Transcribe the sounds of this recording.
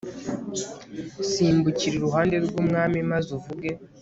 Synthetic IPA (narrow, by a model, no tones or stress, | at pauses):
siːmbuciɾiɾuɦaːnde̞ɾɡuːmŋaːmimazuvuɡe̞